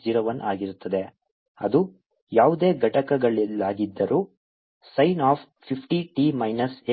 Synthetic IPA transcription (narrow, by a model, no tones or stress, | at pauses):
d͡ʒiːɾoːʋɐnʔaːɡiɾut̪ːɐd̪e̞ | ɐ̰d̪u | jaːʋud̪eːɡʱɐʈɐkɐɡɐɭilːaːɡid̪ːɐɾʔuː | sɐjnaːp | pʰipʰʈiʈimɐjnɐse